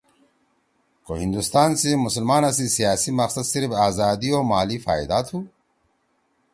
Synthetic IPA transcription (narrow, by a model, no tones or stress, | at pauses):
ko̰ɦind̪ust̪aːnsemʊsəlmaːnɐs̬isijaːsimɐqsɐd̪siɾfaːzaːd̪ioːmaːlifaːid̪aːt̪huː